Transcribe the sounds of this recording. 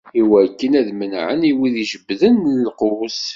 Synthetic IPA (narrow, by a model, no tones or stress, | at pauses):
iwækːənæðmənʕə̰niwiðiʒəbːðənəlqʊs